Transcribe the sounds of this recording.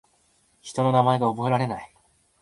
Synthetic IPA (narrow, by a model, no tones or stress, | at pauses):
çi̥t̪o̞no̞namae̞ɡaobo̞e̞ɾaɾe̞nai